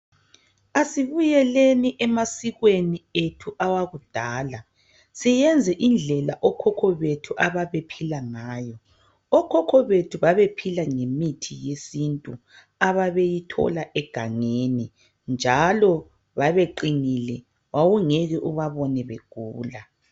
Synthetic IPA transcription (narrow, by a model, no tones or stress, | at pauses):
asiβujɛleniʔɛmasiɣwenietʰuʔawaɣud̥ʱaːla | sijɛnd͡zʱɛʔind͡ɮʱɛlaʔɔkʰɔkʰɔβetʰuʔaβaβepʰilaŋaːjɔ | ɔkʰɔkʰɔβetʰuβaβepʰilaŋemitʰijesintʼu | aβaβejitʰɔ̰laʔɛɡ̥ʱaŋeni | nd͡ʒʱalɔ | βaβeǃinilɛ | wawuŋɛɣɛʔuβaβɔnɛβeɡ̥ʱuːla